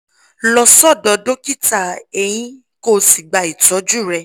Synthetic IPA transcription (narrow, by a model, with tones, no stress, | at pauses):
lɔ˧sɔ˦˨dɔ˧do˦ki˦ta˨e˧j̃ĩ˦ | ko˦˨si˨ɡ͡ba˨i˨tɔ˨˦d͡ʒu˦˨ɾɛ˧